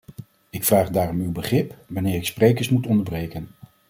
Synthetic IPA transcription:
ɪkfraːχdaːrɔmywbəχrɪpʋanɪːɾɪksprejkəɹsmutɔndəɹbrejkən

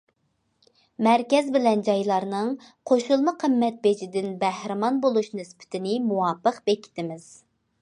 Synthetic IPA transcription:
mɛɾkʲɛzbɪlɛnd͡ʒɑjlˠɑɾnɨŋ | qʰoʃulˠmɨqʰəmːɛt̪̚bed͡ʒid̪ɪnbæhɾɨmɑnbolˠuʃnɪspʰɪ̥t̪ʰɪnɪmuwɑːpːəqbekʲʰi̥t̪ʰɪmɪz̥

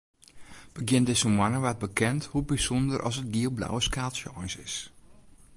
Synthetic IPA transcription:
b̥əɡjɪndɪsəmwanəʋat̚bəkʰɛnthubisɔndərʔɔ̰sət̚ɡiəlˠbla̰wəskaːlˠsjɔjnsɪ̰s

